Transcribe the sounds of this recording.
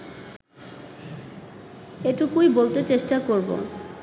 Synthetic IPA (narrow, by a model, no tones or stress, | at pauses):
eʈukujbolt̪et͡ɕeʃʈakoɾbo̰